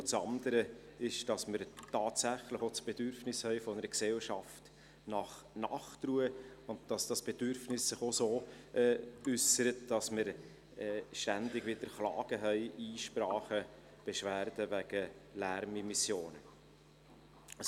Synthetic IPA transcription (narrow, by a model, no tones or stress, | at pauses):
t͡sɑnd̪əɾəɪʃd̥ɑsməɾtɑːtsæχləχot͡sb̥ed̥ʏɾfnɪshœɪfɔnəɾəksɛlʃɑft | nɑχ | nɑχtruəʊnt̚d̥ɑsd̥ɑsb̥ɛd̥ʏɾfnɪsːɪχosoːʔɛːʏsəɾətd̥ɑsməɾ | ɛːʃtændɪɡʋɪd̥əɾχlɑ̰ːɡ̥əɦœɪʔiːʃpɾɑːχə | b̥ɛʃvæːɾdəʋæɡ̥əlæɾmimisjoːnə | s